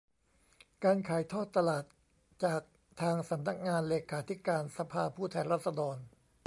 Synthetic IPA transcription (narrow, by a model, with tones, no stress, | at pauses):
kaː˧nkʰaː˩˦jt̪ʰɔː˥˩t̪ːa˧laː˨˩t̪̚ | t͡ɕaː˨˩k̚ | t̪ʰaː˧ŋsa˩˦mna˦˥k̚ŋaː˧nleː˧kʰaː˩˦t̪ʰi˦˥kaː˧nsa˧pʰaː˧pʰuː˥˩t̪ʰɛː˧nɾaː˥˩t̪̚sa˧dɔː˧n